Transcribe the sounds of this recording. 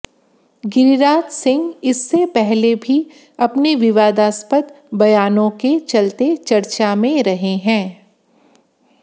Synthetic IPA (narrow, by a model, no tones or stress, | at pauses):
ɡɪɾiɾaːt̪sɪ̃ŋɡɪsːepɛɦlebʱi | ɐpneʋɪʋaːd̪aːspət̪ | bɐjaːnõket͡ʃɐlt̪et͡ʃɐɾt͡ʃamẽɾɐɦeɦɛ̃ː